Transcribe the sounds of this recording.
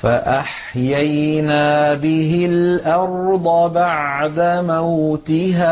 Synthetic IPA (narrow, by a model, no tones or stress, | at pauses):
faʔaħ | jajnaːbɪɦɪlʔɑɾˤd̪ˤɑbaʕd̪amawt̪ɪɦaː